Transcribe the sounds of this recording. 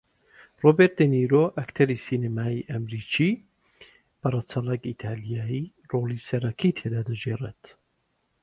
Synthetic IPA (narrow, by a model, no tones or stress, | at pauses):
roːbeɾt̪̚eniɾoʔɐkt̪ʰɐɾisiːnemaːiʔɐmɾit͡ʃi | b̥ɐrɐt͡sʰɐlˠɐkit̪ʰaːlijaːi | roːlˠisɐɾɐkʰit̪ʰed̪aːd̪ɐd͡ʒeːret̪